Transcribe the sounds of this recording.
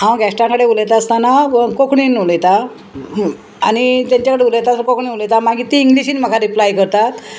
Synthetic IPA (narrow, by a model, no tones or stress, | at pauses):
ɦãwɡʱasʈãkəɽeulejt̪aəst̪anakokɳiːnːoləjt̪a | aɽ̃it̪jaɲt͡ɕakəɽeulejt̪askokɳiːulejt̪amaɡiːt̪iːŋɡliɕiːnməkʰaɾiplajkəɾt̪at̪